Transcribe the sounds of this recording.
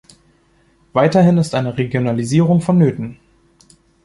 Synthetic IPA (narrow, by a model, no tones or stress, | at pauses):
v̥aɪtɐɦɪnɪstʔaɪnəʁeɡjonaliziːʁʊŋfɔnːøːtn̩